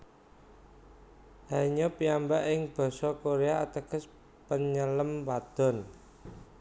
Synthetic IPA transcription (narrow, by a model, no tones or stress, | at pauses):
haɲɔpiambaʔɪŋb̥ɔ̤sɔkoɾeaat̪əɡ̥ə̤s | pəɲələmpad̪̥ɔ̤n